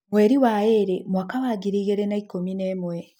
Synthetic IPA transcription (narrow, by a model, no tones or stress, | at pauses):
mweɾiwaeɾemwakawaɡiɾiɣeɾenaikominemwe